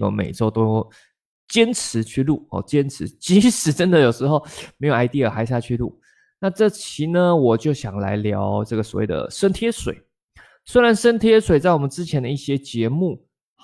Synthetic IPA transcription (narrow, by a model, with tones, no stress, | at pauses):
o̰˧mḛ˨˩ɪʈ͡ʂo˥ʊt̪o˥ʊ | t͡ɕjɛ˥nt͡s̩ʰ˧˦t͡ɕʰy˥˧lu˥˩ɔ̰˨˩t͡ɕjɛ˦˥nt͡sʰɻ̩˧˥˦t͡ɕi˧˥ʂɻ̩˨˥˦ʈ͡ʂə˦nd̪ə˨jo˨˩ʂɻ̩˧˥xo˥˩ʊme˧˥ɪjo˨˩a˧˥ɪt̪i˥˩ə˨˩xa˧˥ɪɕ̬ja˥˧t͡ɕʰy˥˧lṵ˥˩ | na˥˧ʈ͡ʂɤ˥˩t͡ɕʰi˧˥˦nə˧wɔ˨˩t͡ɕjo˥˩ʊɕjɑ˨˩ŋla̰˧˥ɪljɑ˧˥ʊʈ͡ʂɤ˥˩ɡə˩swɔ̰˨˩wḛ˥˩ɪd̪ə̰˨˩ʂə˥nt̪ʰjɛ˥swḛ˨˩ɪ | swe˥ɪɻa˧˦nʂə˥nt̪ʰjɛ˥swe˨˩ɪt͡sa˥˩ɪwɔ˨˩mə˦nt͡sɻ̩˥t͡ɕʰjɛ˧˦nd̪ə˧i˥˩ɕjɛ˥t͡ɕjɛ˧˦mu˥˩